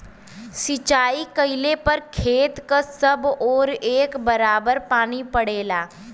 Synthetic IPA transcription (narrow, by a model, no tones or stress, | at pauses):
sɪt͡ʃaːikəɪlepɐɾkʰeːt̪kasəbɔːɾeːkbəɾaːbəɾpaːñipəɽeːlaː